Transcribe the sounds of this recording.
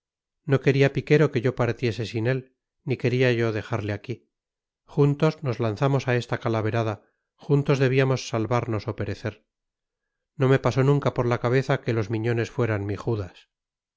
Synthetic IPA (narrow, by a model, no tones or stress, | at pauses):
no̞ke̞ɾiapike̞ɾo̞ke̞ʝo̞paɾt̪je̞se̞sine̞l | nike̞ɾiaʝo̞ðe̞xaɾleaki | xunt̪ozno̞zlanθamo̞sae̞st̪akalaβe̞ɾaða | xunt̪o̞zðe̞βiamo̞sːalβaɾno̞so̞pe̞ɾe̞θe̞ɾ | no̞me̞paso̞nũŋkapo̞ɾlakaβe̞θake̞lo̞zmiɲo̞ne̞sfwe̞ɾanmiχuðas